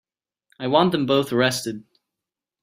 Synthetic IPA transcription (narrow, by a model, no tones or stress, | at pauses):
aɪwɑ̃nðə̃mboʊθəɹɛstɨd̚